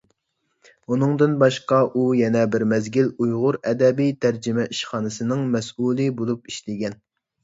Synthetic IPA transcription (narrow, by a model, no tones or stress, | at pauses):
unɨŋd̪ɨnbɑʃqɑʔujɛnɛbɪɾmɛzɡʲilujʁʊɾɛd̪ɛbijt̪ʰæɾd͡ʒɪmɛʔiʃχɑːnɨsɨnɨŋmɛsulˠɨbolˠup̚iʃlɪɡʲɛn